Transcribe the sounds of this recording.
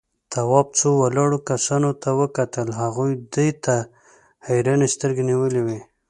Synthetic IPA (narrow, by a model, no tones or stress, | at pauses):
t̪awɑb̚t͡sowalɑɽokasɑnot̪awəkat̪əlɦaɣujd̪əjt̪a | hajɾɑnest̪əɾɡeniwəlewe